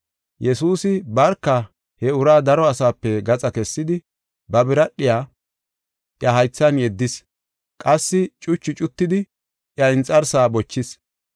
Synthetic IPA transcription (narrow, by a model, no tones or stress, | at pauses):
jɛsuːsɪbɐɾkːɐ | hɛʊɾaːd̪ɐɾɔɐsaːpːɛɡɐt͡sʼɐkɛsːɪd̪ɪ | bɐbɪɾɐɗːɪjaː | ʔjɐɦɐjt͡sːɐnjɛd̪ːɪs | kʼɐsːɪt͡ʃʼʊt͡ʃːɪt͡ʃʼʊt̪ːɪd̪ɪ | ʔjɐɪnt͡sʼːɐɾsaːbɔt͡ʃːɪs